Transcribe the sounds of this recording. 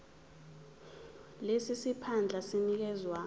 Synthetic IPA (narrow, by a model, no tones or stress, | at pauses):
lesisipʰand͡ɮʱasinik̬ɛzwaː